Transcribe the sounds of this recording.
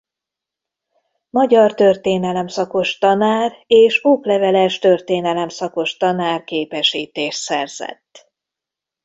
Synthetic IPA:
mɒɟɒrt̪ø̞rt̪eːnɛlɛmsɒko̞ʃt̪ɒnaːreːʃoːklɛvɛlɛʃt̪ø̞rt̪eːnɛlɛmsɒko̞ʃt̪ɒnaːrkeːpɛʃiːt̪eːʃt̪sɛrz̥ɛ̰t̪ː

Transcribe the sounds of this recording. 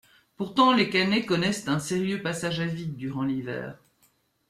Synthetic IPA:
puʁt̪ɑ̃lekanekɔnɛst̪ɛ̃seʁjøpasaʒavid̪yʁɑ̃livɛ̰ːʁ

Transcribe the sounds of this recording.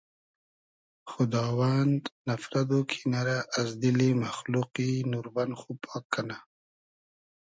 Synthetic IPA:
xʊd̪ɑːwand̪nafɾad̪okʰinaɾaʔːzd̪ilimaxluqinuɾbanxupʰɑːkʰːana

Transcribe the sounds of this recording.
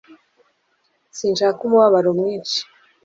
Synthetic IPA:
siːnʃaːkumuwaβaɾomŋiːnʃi̥

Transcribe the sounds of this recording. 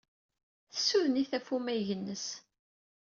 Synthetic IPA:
θə̥sːuðniθæfumæʝənːəs

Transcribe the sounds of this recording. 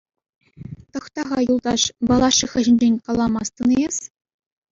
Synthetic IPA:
t̪ɤ̆χt̪ɑʁɑjulˠd̪ɑʂbɑlˠɑʂːiχɘ̆ʑɘ̆nʲd͡ʑenʲkɑlˠːɑmɑst̪ɤ̆nɤjes

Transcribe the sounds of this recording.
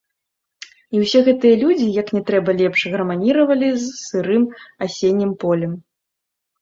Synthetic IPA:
iwsʲɛɣɛt̪ɨjɐlʲud͡zʲijɐknʲɛt̪ɾɛbɐlʲɛpʂɣɐɾɐmanʲiɾɐvɐlʲizsɨɾɨmasʲenʲːimpɔlʲɛm

